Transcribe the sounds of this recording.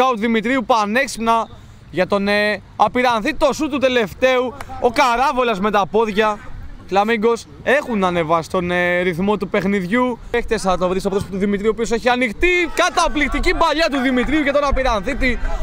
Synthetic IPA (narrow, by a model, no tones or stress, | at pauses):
ɐot̪uðimit̪ɾiupɐne̞kspnɐ | ʝɐt̪o̞ne | ɐpiɾɐnθit̪o̞sut̪ut̪e̞le̞ft̪e̞uokɐɾɐvo̞lɐzme̞t̪ɐpo̞ðʝɐflɐmiŋɡo̞s | e̞xunɐne̞vɐsi̥t̪o̞neɾiθmo̞t̪upe̞xniðʝueçt̪esɐt̪ovɾisɐpot̪ospot̪uðimit̪ɾiuo̞pio̞se̞çiɐnixt̪ikɐt̪ɐplikt̪icibɐʎɐt̪̬uðimit̪ɾiuʝɐt̪o̞nɐpiɾɐnθit̪i